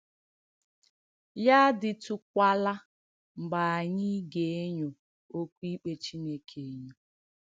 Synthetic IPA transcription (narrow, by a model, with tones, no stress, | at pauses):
ja˦dɪ˨tu˦kʷa˦la˦ | ŋ͡m̩˨ɡ͡ba˨a˨ɲɪ˦ɡe˨e˦ɲo˨ | o˦kʷu˦i˦k͡pe˦t͡ʃi˦ne˦kʰe˨e˦ɲo˨